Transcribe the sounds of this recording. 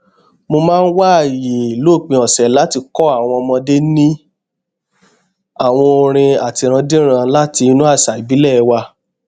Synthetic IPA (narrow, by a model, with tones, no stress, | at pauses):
mo˧mãː˦˧˦n̩˦wa˦˨ji˨i˨loː˦˨k͡pĩ˧ɔ˨sɛ˨la˦ti˧kɔ˦a˦˨w̃ɔ̃˧mɔ̃˧de˦nĩ˦ | a˦˨w̃ɔ̃˧o˧ɾ̃ĩ˧a˨ti˧ɾ̃ã˧de˦ɾ̃ã˧la˦ti˧nũ˦a˦˨sa˨i˨bi˨˦lɛ˦˨˧wa˧